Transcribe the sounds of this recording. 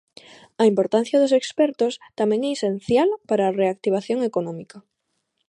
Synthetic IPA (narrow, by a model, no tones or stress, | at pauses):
ɐimpoɾt̪an̟θjɐðos̬ekspɛɾt̪ost̪amẽŋɛesen̟θjalpaɾaːreak̚t̪iβ̞aθjoŋekonɔ̃mika